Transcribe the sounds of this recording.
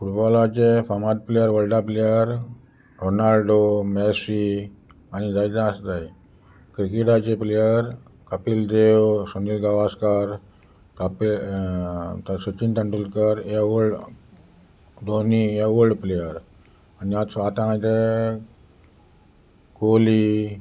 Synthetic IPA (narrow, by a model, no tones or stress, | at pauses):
fuʈbɔlat͡ɕefamat̪̚plejəɾʋəlɖaplejəɾ | ɾonalɖomɛsi | añid͡zaidãsd̪ai | kɾikeʈat͡ɕeplejəɾ | kəpild̪ewsunilɡaʋaskaɾ | kapi | t̪asut͡ɕinʈ̪ə̃ɳʈulkəɾjauɖ | d̪onijaʋuɭɖplejəɾ | aniat̪at̪ããd͡ʑe | koli